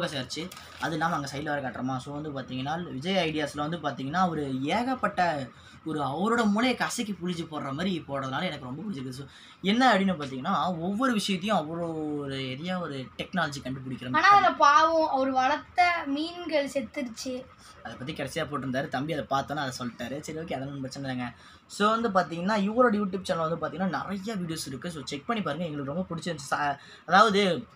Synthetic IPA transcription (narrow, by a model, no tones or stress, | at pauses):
ɣɐsaːɾt͡ʃːɯ | ɐðɛlːaːmɐŋɡɐsɐɪlʋɐɾɐkaːʈːɪɾɐmaːsoːʋɐnd̪ɯpaːɾt̪iːŋɡɐnːaːlʋɪd͡ʒɐjɐɪɽɪjaːslɐʋɐnd̪ɯpaːɾt̪iːŋɡɐnːaːɐʋɐɾɯeːɣɐpːɐʈːɐ | ɔɾɯɐʋɐɾoːɽɐmʊːlɐjɐkɐsɛk̬ːɯpʊɽɪɲd͡ʒɯpoːɾɾɐmaːɾipːoːɣɾɐðɐnaːlɐɛnɐkːɯɾɔmbɐkʊɽɪɲd͡ʒɪɾɯkːɐðɯsoː | ɛnːɐɐbɽinːɯpaːɾt̪̬iːŋɡɐnːaːɔʋːɔɾɯʋɪʂɐjɐt̪ːɐjʊ̃ɐʋːɔɭoːɾɯɛɾɐjaːɔɾɯʈɛknaːlɐd͡ʒikɐɳɖɯp̬ʊɽɪkːɪɾɐmaːnaːɐnɐpaːʋɯ̃ɐʋɐɾɯʋɐɭɐt̪ːɐmiːnɡɐɭsɛt̪ːɪɾt͡ʃːɯ | ɐðɐpːɐt̪ːikɪɽɐt͡ʃːɪjaːp̬oːʈ̬ːɯɾɯnd̪aːɾɯt̪ɐmbiɐðɐpaːɾt̪õnːaːɐðɐsɔlːɪʈːaːɾɯsɪɾɐʋɐk̬ːɛɐðɐnɐnpɐɾɐt͡ʃːɐɐnd̪ɾaːŋɡɐ | soːʋɐnd̪ɯpaːɾt̪̬iːŋɡɐnːaːjɪʋːɐɾoːɽɐjuːʈ̬juːb̚t͡ʃɐnlɐʋɐnd̪ɯpaɾt̪iŋɐnːaːnɪɾɐjːaʋiːɽɪjoːsɪɾɯkːɯs̬oːt͡ʃɛk̚pɐɳːipaːɾɯŋɡɐɛŋɡɐɭɯkːɯɾɔmbɐpʊɽɪt͡ʃːɯɾɯnsa | ɐðaːʋɐðɯ